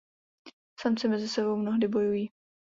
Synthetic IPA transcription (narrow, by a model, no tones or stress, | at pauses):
samt͡sɛmɛzɪsɛbo̞wmnoɦdɪbo̞jujiː